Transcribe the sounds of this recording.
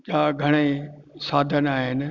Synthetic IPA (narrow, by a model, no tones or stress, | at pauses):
ɗaːɡʱɐɽ̃esaːd̪ʱənaːɦɪnɪ̆